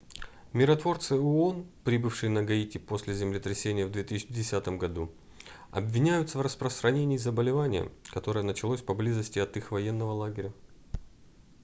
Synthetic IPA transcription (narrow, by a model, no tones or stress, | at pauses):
mʲɪɾɐt̪vo̞rt̪sɨʊonpɾʲibɨfʂɨjnəɡɐitʲɪpo̞sʲlʲɪzʲɪmlʲɪt̪ɾʲɪsʲenʲɪjəvd̪vʲe̞t̪ɨsʲɪt͡ɕɪdʲɪsʲat̪əmɡɐd̪u | ɐ̰bvʲɪnʲæjʊt̪səvrəspɾəst̪ɾɐnʲenʲɪːzəbəlʲɪvanʲɪjə̰kɐt̪o̞ɾəjənət͡ɕɪlˠo̞sʲpɐblʲizəsʲtʲɪɐt̪ixvɐjenːəvəlˠaɡʲɪɾʲə